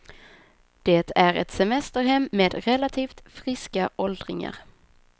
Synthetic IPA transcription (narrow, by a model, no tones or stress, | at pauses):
d̪̥eːt̪ʰæɾɛ̰t̪sɛmɛst̪əɾɦɛmːeːd̪ɾɛlat̪ʰiːft̪fɾɪskaʔɔld̪ɾɪŋa̰ɾ